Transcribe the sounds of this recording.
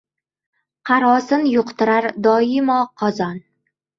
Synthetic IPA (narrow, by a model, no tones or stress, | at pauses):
qʰɑɾɒsɪnjʊqt̪ɪɾaɾd̪ɒɪmɒqʰɒzɒn